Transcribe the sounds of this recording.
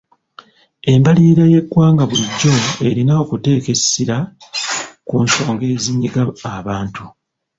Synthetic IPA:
e̞mbaliːɾaje̞kːwaːŋɡaβuliɟːo̞e̞ɾinaokute̞ːke̞siɾa | kunso̞ːŋɡe̞ːziɲːiɡaːβaːntu

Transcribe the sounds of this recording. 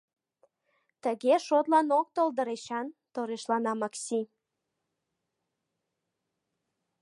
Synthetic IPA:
t̪əɣeʃot̪lɑnok̚t̪old̪əɾeɕɑnt̪oɾeʃlɑnɑmɑksʲi

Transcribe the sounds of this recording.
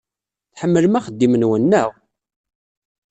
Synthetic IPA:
θħəmːələmæχəd̪ːimənwənːæʁ

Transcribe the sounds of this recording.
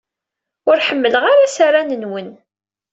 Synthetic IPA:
ʊɾħəmːələʁaɾasaɾanənwən

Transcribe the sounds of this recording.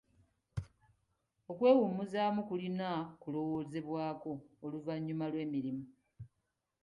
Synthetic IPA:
o̞kwe̞ːwumuzaːmukulinakulo̞wo̞ːze̞βwaːko̞ːluvaɲːumalwe̞ːmiɾimu

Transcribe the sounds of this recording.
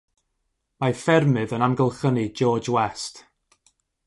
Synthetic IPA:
mafɛrmɨðənamɡəlˠχənid͡ʒɔːd͡ʒwɛst

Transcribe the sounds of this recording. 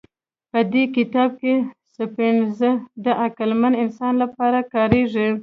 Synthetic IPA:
pəd̪ekɪt̪ɑb̚kesəpeɳzəd̪əʔakəlmanɪnsɑnlapɑɾakɑɾeʐi

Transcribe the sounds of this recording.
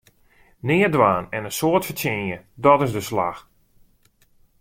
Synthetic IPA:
nɪːədʋaːnɛnənsoətfətɪnjədɔtɪzdəsla̰x

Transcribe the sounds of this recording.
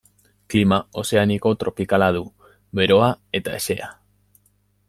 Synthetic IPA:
klimao̞se̞aniko̞t̪ɾʔo̞pikalaðu | βe̞ɾo̞ae̞t̪ae̞se̞a

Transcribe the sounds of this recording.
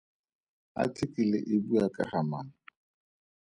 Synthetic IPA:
a̰tʰɪkʼilɪ̰ʔɪbuakʼa̰hamaːna

